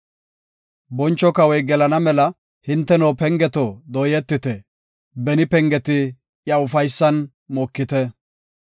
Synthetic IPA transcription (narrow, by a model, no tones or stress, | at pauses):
bɔnt͡ʃːɔkɐwɔjɡɛlɐnɐmɛlɐ | hɪnt̪ːɛnoːpɛŋɡɛt̪ɔd̪ɔjɛt̪ːɪt̪ɛ | bɛnɪpɛŋɡɛt̪ɪ | jɐʊfɐjsːɐn | mɔːkːɪt̪ɛ